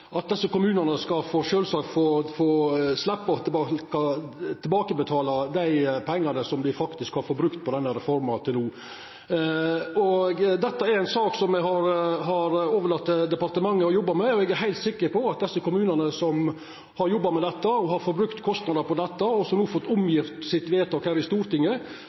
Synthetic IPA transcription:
ʔɑt̪̚d̪ɛsːəkʊmʉːnənəskɑfɔʂøːlsɑkfoːfoːslɛpːɑɔt̪ʰɪbɑːkɑt̪ʰɪlbɑːkəbət̪ʰɑːlɑd̪æɪpʰɛŋːɑnəsɔmd̪ɪfɑkt̪ɪskhɑɾfɔɾbɾʉkt̪̚pʰɔd̪ɛnːəɾɛfɔɾmɑt̪ʰɪlnuː | ɔɡd̪ɛt̪ːɑæɾæɪnsɑːksɔmɛɡhɑɾɦɑɾoːʋəɭɑt̪ːd̪ɛpɑɾt̪əmɑŋːəɔjɔbːɑmɛɔɛɡæɾɦæɪt̪sɪkːəɾpɔɑt̪̚d̪ɛsːəkʊmʉːnənəsɔm | hɑɾjɔbːɑmɛd̪ɛt̪ːəɔɦɑɾfɔɾbɾʉkt̪kʰɔst̪nɑd̪əɾpɔd̪ɛt̪ːɑɔsɔmnuːfɔt̪ːʊmjɪft̪sɪt̪ʋeːt̪ʰɔkhæːɾɪst̪uːɾt̪ɪŋːə

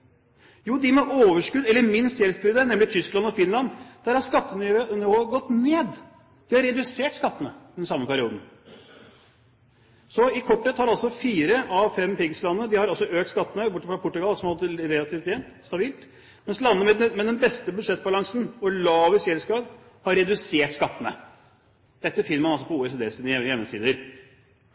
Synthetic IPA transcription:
juːd̪ɪmɛʔoːʋəʂkʉd̪ɛlːəɾmɪnst̪jɛlsbʏd̪ənɛmlɪt̪ʰʏsklɑnɔfɪnlɑnd̪̥æɾhɑɾʂkɑt̪ːənʏʋøːʔnəoːɡɔt̪neːd̪ | d̪̥ɪhɑɾɾɛd̪ʉseːʈskɑt̪ːənəd̪ɛnsɑmːəpæɾɪuːd̪n̩ | sɔɪkʰɔʈːɛt̪hɑɾɑlsɔfiːɾəʔɑʋfɛmpɪɡslɑnəəd̪ɪhɑɾɑlsɔʔøːk̚t̪skɑt̪ːənəbʊʈːəfɾɑpʰʊʈːʉɡɑlsɔmhɑlt̪əɾɛlɑt̪ʰiːft̪jɛnt̪st̪ɑbiːlt̪ | mɛnslɑnːəmɛd̪mɛd̪ɛnbɛst̪əbʉd̪ʂɛt̪̚ːbɑlɑŋsn̩ɔlɑːʋɪsɛlskɑːd̪ | hɑɾɛd̪ʉseːʈskɑt̪ːənə̰ | d̪̥ɛt̪ːəfɪnːəmɑnɑlsɔpɔuːɛseːd̪eːsiːd̪jɛmnəsḭːd̪əɾ

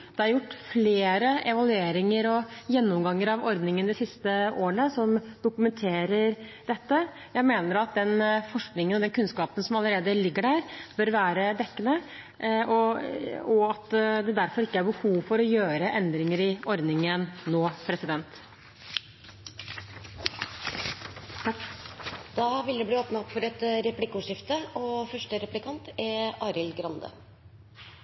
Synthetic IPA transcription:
d̪̥ɛhɑɾjʊʈːfleːɾəʔɛʋɑlʉeːɾɪŋəɾɔjɛnːʊmɡɑŋːəɾɑʋɔɾd̪nɪŋənd̪ɪsɪst̪əʔoːəɳəsɔmd̪ʊkʉmɛnt̪ʰeːɾəɾɖ̪ɛt̪ːə | jæɪmeːnəɾɑt̪̚d̪ɛnfɔʂknɪŋənɔd̪ɛnkʰʉnskɑːpənsɔmɑləɾeːd̪əlɪɡːəɖæːɾb̥œɾʋæːɾəd̪ɛkːənə | ɔ | ɔɑt̪d̪ɛd̪æɾfɔɾɪkːəæɾbəhuːʋfɔɾɔjøːɾəʔɛnd̪ɾɪŋəɾɪɔɾd̪nɪŋənnoːpʰɾɛsɪd̪ɛnt̪ | d̪̥ɑːʋɪld̪ɛbliːoːpnɑɔpfɔɾɛt̪ɾɛplɪkːəʂɪft̪əɔfœʂʈəɾɛplɪkʰɑnt̪ɛɾɑːɾɪlɡɾɑnd̪ə̰

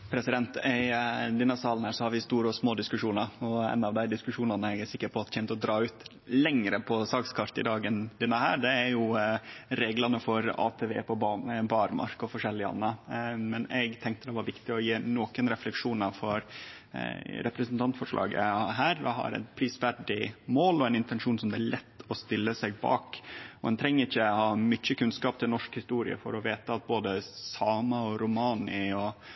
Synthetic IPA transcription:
pʰɾɛsɪd̪ɛnt̪ɛd̪ɪnɑsɑːlnhæːɾʂɔhɑɾʋɪst̪uːɾəɔsmoːd̪ɪskʉʂuːnɑɾɔɛ̰nːɑʋd̪æɪd̪ɪskʉʂuːnɑnəɛɡæsɪkːəɾpʰɔɑt̪çɛnt̪ɔd̪ɾɑːʉːt̪ | lɛŋɾəpʰɔsɑːkskʰɑɾt̪ɪ̰d̪ɑːɡənd̪ɛnːəhæ̰ːɾɖ̪ɛæɾjʊ | ɾeːɡlɑnəfɔɾɑ̰ːt̪ʰeʋḛːpʰɔbɑbɑːɾmɑ̰ɾkɔfɔʂɛlːɪəɑ̰nːəmɛnɛɡt̪ʰɛŋkt̪əd̪ɛʋɑɾʋɪkt̪ɪɔjeːnoːkənɾɛflɛkʂuːnɑfɔɾ | ɾɛpɾɛsnt̪ʰɑnt̪fɔʂlʔɑ̰ːɡə̰ɦæːɾɔ̰ɦɑ̰ɾɛ̰t̪pʰɾiːsʋæɖɪmoːlɔɛnɪnt̪ɛnʂuːnsɔmd̪ɛæɭɛt̪ːɔst̪ɪlːəsɛɡ̚bɑ̰ːkɔɛnt̪ʰɾɛŋːəɾɪçːəhɑːmʏc͡çːəkʉnskɑːp̚t̪ʰɪlnɔʂkhɪst̪uːɾɪ̰ə̰fɔ̰ɾɔʋeːt̪əɑt̪̚boːd̪əsɑːmɑɔɾʊmɑːnɪɔ

